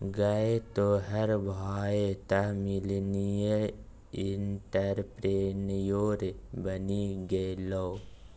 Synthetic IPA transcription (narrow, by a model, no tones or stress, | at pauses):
ɡɐet̪oɦəɾbʱaːet̪amɪlnije | ɪɳʈəɾpɾeːnjoːɾebəniɡɐeloː